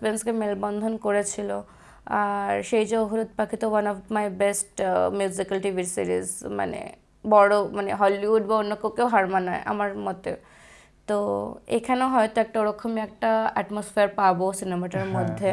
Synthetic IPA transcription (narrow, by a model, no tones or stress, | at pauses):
penskemelbɔnd̪ʱonkoɾet͡ɕʰilo | aɾʃejd͡ʑeoɦuɾud̪̚pakʰit̪owanɔfmajbesʈmjuzikalʈiʋiɾsḭɾḭzma̰nḛ | bɔɽomaneɦɔliʋuɖbaonːokekewɦaɾmanaeʔa̰maɾmɔt̪e | t̪oḛkʰaneɦɔjt̪oɛk̚ʈaoɾokʰːomiɛk̚ʈaɛʈmosfeaɾpabosinemaʈaɾmɔd̪ʱːe